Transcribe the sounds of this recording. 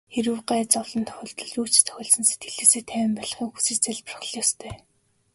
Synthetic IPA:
xeɾŭwɢæːt͡sɔwɮɞ̆nt̪ʰœ̥xʲɞ̆ɮt̪ɞ̆ɮuːt͡ɕt̪ʰœ̥xʲɔːɮsɞ̆nset̪̚ɡɘ̆ɮɘ̆ːseːt̪ʰæːw̆mpɔɮ̆χiːŋxu̥sĭːt͡ɕt͡sæɮpərχɮjɔːst̪ʰœː

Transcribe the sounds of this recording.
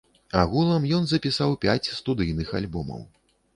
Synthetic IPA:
aɣulˠɐmjɔnzɐpʲisawpʲat͡sʲst̪ud̪ɨjnɨxa̰lʲbɔmɐ̰w

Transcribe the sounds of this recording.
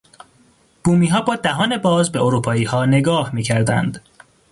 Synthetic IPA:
b̥uːmiːɦɒːbɒːd̪æɦɒːne̞bɒːzbe̞oɾuːpʰɒːiːhɒːne̞ɡɒːhmiːcʰæɾd̪æ̰nd̪

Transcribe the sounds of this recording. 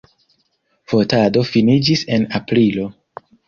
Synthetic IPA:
fotado̞finid͡ʒise̞napɾilo̞

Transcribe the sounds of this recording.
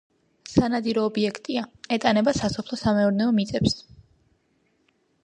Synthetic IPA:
sanad̪iɾɔːbiɛkʰt̪ʼiaɛt̪ʼanɛbasasɔpʰlˠɔsamɛuɾnɛɔmit̪sʼɛps

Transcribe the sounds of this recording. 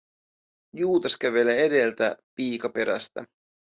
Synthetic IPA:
juːt̪ɑskæʋe̞leede̞lt̪æpiːkɑpe̞ɾæ̰st̪æ̰

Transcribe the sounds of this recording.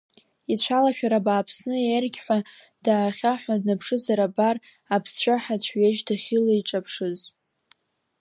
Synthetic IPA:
it͡ɕʷʰalaʃᶣaɾabaːpʰsnɨerɡʲħʷa | d̥aːχʲaħʷᶣadnapʰʂɨzaɾabar | apʰst͡ʃʷʰaħat͡ɕʷʰɥeʒdaχʲilaiʈ͡ʂʼapʰʂɨz

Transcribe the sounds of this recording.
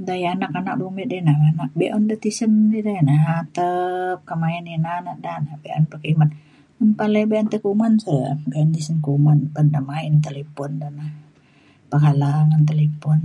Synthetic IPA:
dajanakanak̚bumɛdenahbanak̚bɛʔɔndət̪isəndidenaɦat̪əp̚kəmaɛninanaʔdanahbeʔɔ̰npəkiman | unpalebeant̪əkumansəbeɔndisənkumanpəndamaint̪elepɔndanah | pəɦalaŋant̪̬elepɔn

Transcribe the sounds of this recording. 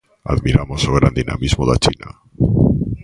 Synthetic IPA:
a̰ðmiɾamo̞soɣ̞ɾand̪ina̰mizmoðat͡ʃina̰

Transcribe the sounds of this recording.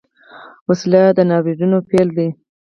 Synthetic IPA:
waslad̪ənɑbiɖ̪unopeld̪i

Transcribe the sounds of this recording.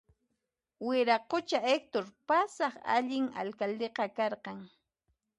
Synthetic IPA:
wɪɾaqot͡ʃaek̚t̪oɾpasɑχa̰ʎɪŋa̰lkald̪eqɑkɑɾqɑŋ

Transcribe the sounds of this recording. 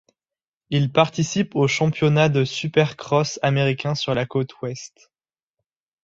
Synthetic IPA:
ilpaʁt̪isipoʃɑ̃pjɔnad̪əsypɛʁkχɔsameʁikʲɛ̃syʁlakot̪ʰwɛst̪

